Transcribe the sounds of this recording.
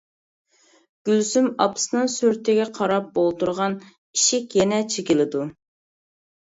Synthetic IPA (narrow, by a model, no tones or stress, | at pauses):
ɡ̥ʲylsymɑ̰pʰsnɨŋsyɾt̪ʰɪɡʲɛqʰɑɾɑp̚bolˠt̪uɾʁɑn | iʃɪkʲjɛnɛt͡ʃʰekʲilˠɪd̪u